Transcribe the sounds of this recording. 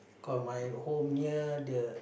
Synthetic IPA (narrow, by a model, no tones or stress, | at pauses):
kɔmajhomɲidə